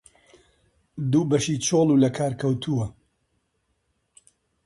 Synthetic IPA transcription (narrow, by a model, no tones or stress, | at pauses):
d̪uːbɐʃit͡ʃʰolˠuːlɐkʰaːɾkʰɐwt̪ʰuwɐ